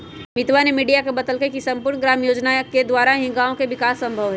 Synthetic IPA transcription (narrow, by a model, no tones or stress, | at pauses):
mɪt̪ʋanemiːɖijakebɐt̪əlkekisɐ̃mpʊɾɳɡɾaːmjoːd͡ʒnaked̪waːɾaɦĩɡaːõkeʋɪkaːsːɐ̃mbʱəʋɦɛ